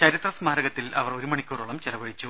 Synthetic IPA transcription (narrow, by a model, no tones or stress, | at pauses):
t͡ɕɐɾit̪rɐsmaːɾɐɣɐt̪ːilʔɐ̰ʋɐro̞ɾumɐɳikʲːuːruɭɐmt͡ɕerɐʋɐɻit͡ɕːu